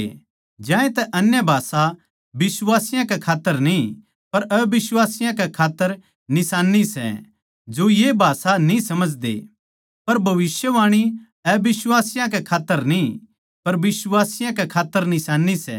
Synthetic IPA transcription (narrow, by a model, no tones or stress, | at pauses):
d͡ʒãːẽt̪ɛʔɐnjabʱaːsa | bɪsʋaːsɪjãkɛkʰaːt̪ːəɾnĩ | pɐɾɛbɪswaːsɪjãkɛkʰaːt̪ːəɾ | nɪsaːnːisɛ̰ | d͡ʒojebʱaːsanĩsɐməd͡ʒd̪ḛ | pɐɾbʱɐʋɪsjəʋaːɽ̃i | ɛbɪswaːsɪjãk̬ɛkʰaːt̪ːəɾnĩ | pɐɾbɪswaːsɪjãkɛkʰaːt̪ːəɾnɪsaːnːisɛ̰